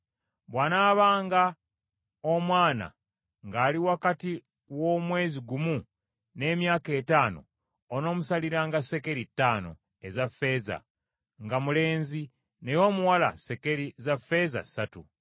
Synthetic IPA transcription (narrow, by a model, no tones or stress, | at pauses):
βwaːnaːβaːŋɡa | omwaːna̰ | ŋɡaːliwakati | wo̞mwe̞ːziɡumu | ne̞ːmjaːke̞ːtaːno̞̰ː | no̞ːmusaliɾaːŋɡase̞ke̞ɾitːaːno̞̰ | ezafːe̞za̰ | ŋɡamule̞ːnzi | ne̞jo̞ːmuwala̰se̞ke̞ɾizafe̞za̰satu